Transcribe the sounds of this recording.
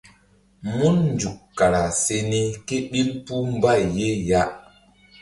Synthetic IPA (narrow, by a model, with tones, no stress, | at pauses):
mu˦nnd͡ʒu˨kːa˨ɾa˨se˧ni˦ke˦ɓi˦lpu˦m˦ba˦˨jːe˦ja˦